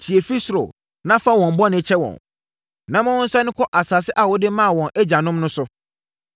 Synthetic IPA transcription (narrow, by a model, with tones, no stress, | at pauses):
tʰi˨e˨fi˦sɾo̰˨ | nã˦fa˦wɔ̃˨m˦bɔ˦nɪ̃˦t͡ɕʰɛ˦wɔ̰̃˨n | nã˦mã˦wɔ̃˦n̩˦sa˦nʊ̃˦kʰɔ˦ʔa˨saː˨sɪ˦ʔa˨wɔ˦dɪ˦mã˦a˨wɔ̃˨nʔɛ˦d͡ʑa˨nʊ̃˦mnʊ̃˦sʊ˦